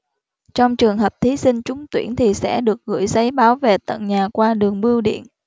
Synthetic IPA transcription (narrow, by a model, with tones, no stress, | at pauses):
t͡ɕɔ˧wŋ͡mt͡ɕɨ˨˩əŋɦəː˨˩p̚t̪ʰi˨˦sï˧ŋ̟t͡ɕʊ˨˦ŋ͡mt̪wḭ˧˩ənt̪ʰi˨˩sɛ̰˧˥ɗɨ˨˩ək̚ɣɨ̰˧˥jsa˨˦jɓaː˨˦wve˨˩t̪ə̰˧˨nɲaː˨˩kwaː˧ɗɨ˨˩əŋɓɨ˧əwɗḭ˧˨ən